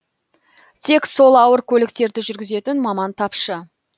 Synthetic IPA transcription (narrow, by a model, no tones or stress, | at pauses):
t̪ʰe̞kso̞lˠɑwəɾkʲʰɵlɪk̚t̪e̞ɾd̪ɪʒʏɾɡʲɪze̞t̪ɪnmɑmɑnt̪ʰɑpʃə